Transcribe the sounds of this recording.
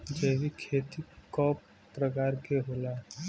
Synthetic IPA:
d͡ʒɛːʋikʰeːt̪ikɔːpː | ɾəkaːɾkeɦoːla

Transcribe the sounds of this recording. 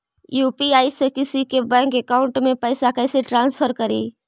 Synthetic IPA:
juːpiaːisekɪsikebɛ̃ːŋkekaːʊ̃ɳʈmẽpɛːsakɛːseʈɾãːnspʰəɾkɐɾḭː

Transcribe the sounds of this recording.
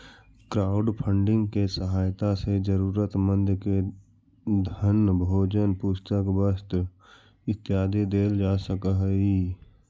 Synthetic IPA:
kɾaːʊɖpʰəɳɖɪ̃ŋɡkesəɦaːjt̪ased͡ʒəɾuːɾət̪mə̃nd̪ke | d̪ʱənbʱoːd͡ʒənpʊst̪əkbəst̪ | ɪt̪jaːd̪id̪eːld͡ʒaːsəkəɦəi

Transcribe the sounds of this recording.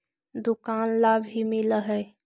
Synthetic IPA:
d̪ukanlabʱɦimɪləɦɛ

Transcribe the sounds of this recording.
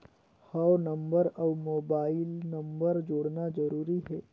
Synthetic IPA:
hɔːwnɐ̃mbəɾɔːmoːbaːɪlnɐ̃mbəɾd͡ʒoːɽnazɐɾuːɾiɦɛː

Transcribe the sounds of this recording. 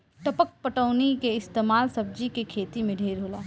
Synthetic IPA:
ʈɐpək̚pəʈəʊnikeɪst̪eːmaːlsɐb̚d͡ʒikekʰeːt̪imẽɖʱeːɾɦoːlaː

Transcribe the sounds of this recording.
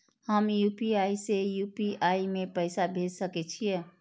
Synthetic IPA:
həmjupiaisejupiaimẽpəɪsabʱed͡ʒsəkɛt͡ʃʰijɛ

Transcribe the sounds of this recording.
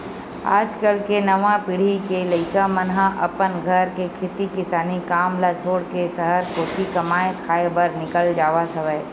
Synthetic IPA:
a̰ːd͡ʒkəlkenɐʋãpɪɽ̤ikeləɪkamənɦãʔɐpənɡʱəɾkekʰɪt̪ikɪsaːnikaːmlasʰoːɽkesəɦəɾkoːt̪ikɐmaːekʰaːebəɾnɪkəld͡ʒaːʋasɐʋɛː

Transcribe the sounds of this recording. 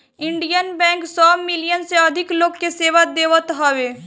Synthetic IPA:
ɪ̃ɳɖijənbɛ̃ːŋksɔːmɪlijənseɐd̪ʱɪkloːɡkeseːʋad̪eːʋət̪ɦɔːʋeː

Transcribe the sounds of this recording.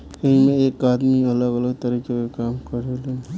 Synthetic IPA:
ɐĩmẽeːkaːd̪miɐləɡələɡt̪ɐɾiːkekekaːmkɐɾele

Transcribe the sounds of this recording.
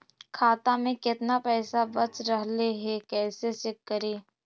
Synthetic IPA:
kʰaːt̪amẽkɪt̪napɛːsabɐt͡ʃɾəɦleɦɛkɛːsesɪkːəɾeː

